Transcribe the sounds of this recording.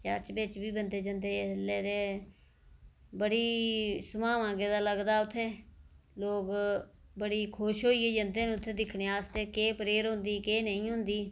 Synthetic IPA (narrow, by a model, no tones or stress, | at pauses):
t͡ʃəɾt͡ʃbɪt͡ʃbiːbənd̪eːd͡ʒənd̪eːleːɾeː | bəɽiːsəmãːʋãːɡeːd̪aːləɡd̪aːʊt̪ʰːeː | loːɡ | bəɽiːkʰʊʃɦoːiːeːd͡ʒənd̪eːnːʊt̪ʰːeːd̪ɪkʰɽeːaːst̪eːkeːpəɾeːɾɦʊ̃nd̪iːkeːnəĩːɦʊ̃nd̪iː